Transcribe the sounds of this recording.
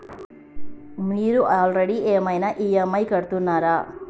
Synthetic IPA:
miːɾuʔaːlɾeɽiʔeːmɐjnaʔiːemɐjkɐɽt̪unːaːɾaː

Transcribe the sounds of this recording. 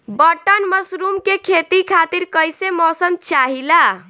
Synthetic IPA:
bəʈənməsɾumkekʰet̪ikʰat̪iɾkəjsemɔːsəmt͡ʃaɦila

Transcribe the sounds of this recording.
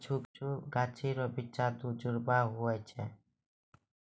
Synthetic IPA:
t͡ʃʰuːkt͡ʃuːɡaːt͡ʃʰiːɾɔbɪt͡ʃaːt̪ud͡ʒʊɾbaːɦʊɛːt͡ʃʰɛː

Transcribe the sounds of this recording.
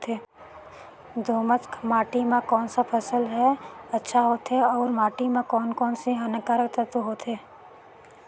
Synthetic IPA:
t̪eː | d̪oːməskʰmaːʈimãkɔːnsapʰəsəlɦɛɐtːʃʰaɦoːt̪eɔːɾmaːʈimãkɔːnkɔːnseɦənəkaːɾkt̪ət̪oɦoːt̪eː

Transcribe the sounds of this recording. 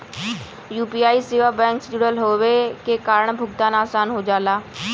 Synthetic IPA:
juːpiːaːiːseːʋaːbɛ̃ːŋksd͡ʒʊɽəlɦoːʋeːkeːkaːɾəɳbʱʊɡ̚t̪aːnaːsaːnɦoːd͡ʒaːlaː

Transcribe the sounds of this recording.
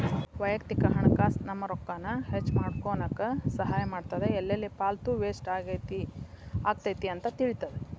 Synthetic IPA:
ʋɐjɐkt̪ikɐɦɐɳɐkaːsnɐmːɐɾɔkːaːnɐhet͡ʃːmaːɖkoːnɐkːɐsɐɦaːjɐmaːɖt̪ɐd̪eɛlːɐlːipaːlt̪uʋeːsʈaɡt̪i | aːɡ̚t̪ɐjt̪iɐnt̪ɐt̪iɭit̪ɐd̪e

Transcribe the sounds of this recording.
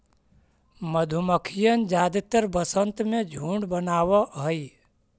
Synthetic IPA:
məd̪ʱuməkʰijənd͡ʒaːd̪ɪt̪əɾbəsənt̪mẽd͡ʒʱũːɳɖbənaːwaɦəi

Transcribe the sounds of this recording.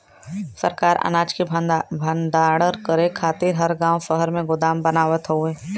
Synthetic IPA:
sə̰ɾkaːɾʔɐ̰naːd͡ʒkibʱə̃nd̪aːɽəɾkəɾekʰaːt̪ɪɾɦɐɾɡãːwʃəɦəɾmẽɡʊd̪aːmbɐnaːʋət̪ɦʊeː

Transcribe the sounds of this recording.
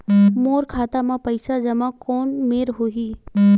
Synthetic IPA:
moːɾkʰaːt̪amãpɐɪsad͡ʒɐmãkɔːnmeːɾɦoɦiː

